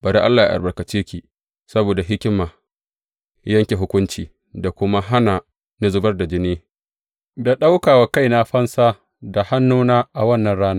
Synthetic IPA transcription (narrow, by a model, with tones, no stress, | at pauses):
ba˨ɾa˦ʔa˦lːaː˨ja̰˦ʔa̰˨bɐ˨kɐ˨t͡ʃeː˦kʲiː˨ | sɐ˦boː˨da˨ɦɪ˦kʲɪ˦maː˨ | jɐ˦ŋkʲe˨ɦʊ˦kʷʊ˦nt͡ʃiː˨ | da˨kʷʊ˦ma˦ɦa˦na˨ | nɐ˦zʊ˦bɐ˦rda˨d͡ʒɪ˦niː˦ | da˨ɗa˦wkaː˨wa˨ka˦˨jna˦ɸɐ˦nsaː˦ | da˨ha˦nːuː˦naː˦ʔa˨wɐ˦nːɐ˨nɽaː˦naː˦